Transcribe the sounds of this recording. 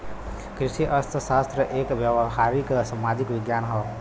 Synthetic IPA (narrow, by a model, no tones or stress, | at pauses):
kɾisiʔʌst̪ʰəsast̪ɾəʔekbjəɦaɾiksəmad͡ʒikʋiɡjanɦʌ